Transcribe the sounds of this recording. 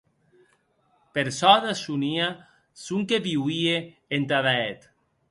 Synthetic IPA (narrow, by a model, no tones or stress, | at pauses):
peɾsɔðasunia | suŋkeβiwieː | nt̪aðaet̪